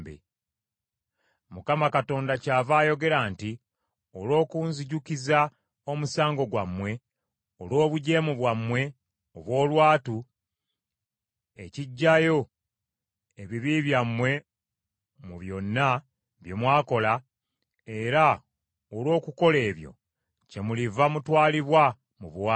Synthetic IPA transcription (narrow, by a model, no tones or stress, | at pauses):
bḛ | mukamakato̞ːndacaːvaːjo̞ɡe̞ɾaːnti | olo̞ːkunziɟukiza | o̞musaːŋɡo̞ɡwamwe̞ | o̰lo̞ːβuɟe̞ːmuβwamwe̞ | oβwo̞ːlwaːtu | e̞ciɟːajo̞ | e̞βiβiβjamːwe̞ | muβjo̞nːa | βjomwaːko̞la | e̞ɾa | olwo̞ːkuko̞le̞ːβjo̞̰ | ce̞mulivamutwaːliβwa | muβwa